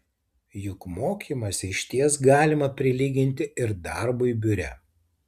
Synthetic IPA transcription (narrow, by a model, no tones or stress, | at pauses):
jʊkmoːkʲiːˑmɐsʲɪʃʲt̪ʲiɛsɡɑːlʲɪmɐpʲɾʲɪlʲiːɡʲɪnʲt̪ʲɪɪɾd̪ɑˑɾbʊibʲʊɾʲɛ̰